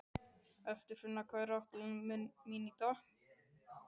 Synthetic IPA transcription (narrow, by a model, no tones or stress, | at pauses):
ɛft̪ʏɾ̥fɪnːakʰvaːjɾaɔht̪nminit̪a